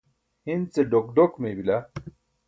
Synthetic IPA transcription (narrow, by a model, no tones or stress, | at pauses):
hint͡seɖokɖokmebila